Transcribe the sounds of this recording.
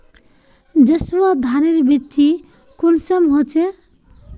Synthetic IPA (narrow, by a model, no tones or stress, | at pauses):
d͡ʒəswad̪ʱaneɾbitt͡ʃi | kulsəmɦot͡ʃʰe